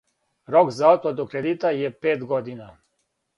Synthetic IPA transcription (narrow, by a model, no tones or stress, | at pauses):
ɾoɡzaɔt̪̚pad̪ukɾed̪it̪ajɛpeːt̪ɡɔd̪ina